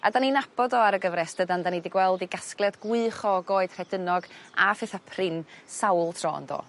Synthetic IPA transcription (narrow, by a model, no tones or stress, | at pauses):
adaninab̥ɔdɔaɾəɡəvrɛsd̥ədandanidɪɡwɛlˠdiɡasklˠɛdɡwɨχɔɡoːɨd̥r̥ɛdənɔɡafɪθapʰrɪnsawlˠtʰrɔ̰ːndɔ̰ː